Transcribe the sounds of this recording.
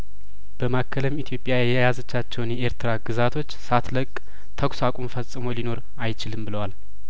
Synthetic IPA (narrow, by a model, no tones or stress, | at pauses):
b̥əmakʰːələmit̪ʰjo̞pʼːjajjɛjazət͡ʃːat͡ʃːɛwnjɛeɾt̪ʰɨɾaɡɨzat̪ʰo̞t͡ʃːsat̪ləkʼ | t̪ʰəkʷsakʼumfəsʼɨmolino̞ɾ | ajt͡ʃɪlɨmbɨləwal